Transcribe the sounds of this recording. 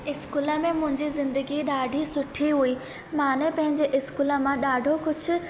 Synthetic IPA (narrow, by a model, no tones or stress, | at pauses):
ɪskuːləmẽmʊ̃ɦɪ̃ɲd͡ʑizɪ̃nd̪əɡiɗaːɖʱisʊʈʰiɦuiː | mãːnepɐ̃ɦɪ̃ɲd͡ʑeʔɪskuːləmãɗaːɖʱokʊd͡ʑʱʊ̆